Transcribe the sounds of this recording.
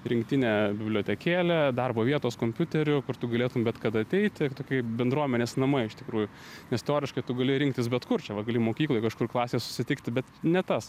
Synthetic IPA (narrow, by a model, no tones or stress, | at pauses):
ɾʲɪŋkt̪ʲɪnʲæbʲɪbʲlʲoːtʲɛkʲeːlʲɛd̪ɐrboːʋʲiɛt̪oːskoːmʲpʲʊt̪ʲɛɾʲʊkʊrt̪ʊɡɐlʲeːt̪ʊmbʲɛt̪kɐd̪ɐɐt̪ʲɛɪt̪ʲɪt̪oːkʲiɛbʲɛnd̪ɾuɔmʲɛnʲeːsnɐmɐɪɪʃt̪ʲɪkɾuːjʊ | nʲɛst̪ʲoːɾʲɪʃkɐɪt̪ʊɡɐlʲɪɾʲɪŋk̚t̪ʲɪsbʲɛt̪kʊrt͡ʃʲɛʋɐɡɐlʲɪmoːkʲiːklˠoːjkɐʃkʊrklˠɑːsʲeːsʊ̥sʲɪt̪ʲɪkt̪ʲɪbʲɛt̪nʲɛt̪ɐs